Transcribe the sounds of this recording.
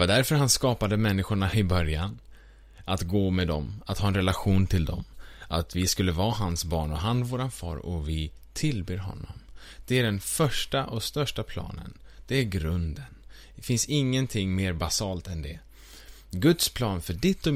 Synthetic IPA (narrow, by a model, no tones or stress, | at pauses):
vad̪æɾfœɾɦanskɑːpad̪əmɛnːɪɧʊɳaɪbœɾjan | at̪ɡoːmɛd̪ɔmat̪hɑːɛnɾɛlaɧuːnt̪ʰɪld̪ɔ̰mʔat̪vɪskɵlːəvɑːɦansbɑːɳɔɦanvoːɾanfɑ̰ːɾɔ̰vɪt̪ʰɪlbeːɾɦɔ̰nːɔ̰m | d̪̥ɛæɖɛnfœʂʈaʔɔst̪œʂʈapʰlɑ̰ːnə̰n | d̪̥ɛæɾɡɾɵnd̪ən | fɪnsɪŋːənt̪ʰɪŋːmeːɾbasɑːlt̪ɛnd̪ɛ | ɡɵt̪spʰlɑːnfœɖɪt̪ːɔ